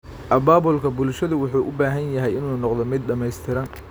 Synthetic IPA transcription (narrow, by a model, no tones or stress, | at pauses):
ʔɐbaːbʊlkʰɐbʊlʃɐðʊwʊħuːʔʊbaːɦɐnjɐɦɛjɪnuːnɔqd̪ɔmɪd̪ɖɐmɛjst̪ʰɪɾɐn